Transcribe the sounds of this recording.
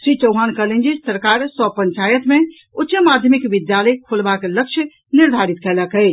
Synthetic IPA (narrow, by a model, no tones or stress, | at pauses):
ʃɾit͡ʃəwɦankəlend͡ʒisəɾkaɾsɔpəɲt͡ʃajət̪mẽ | ut̪ːt͡ʃəmad̪ʱjəmikʋid̪jaləkʰolbakeləkt͡ʃʰjə | niɾd̪ʱaɾit̪kɛləkə